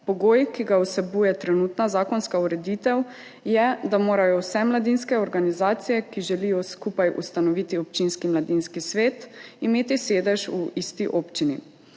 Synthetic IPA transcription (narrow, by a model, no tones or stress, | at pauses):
pɔɡoːjkiɡawsɛbuːjɛt̪ɾɛnut̪nazaːkɔnskauɾɛd̪it̪ɛw | jɛd̪amoːɾajɔwsɛmlad̪inskɛɔɾɡanizaːt̪sijɛkiʒɛlijɔskupajṵst̪anɔʋit̪iɔp̚t͡ʃinskimlad̪inskisʋeːt̪imeːt̪iseːd̪ɛʒuʔist̪iʔoːpt͡ʃinḭ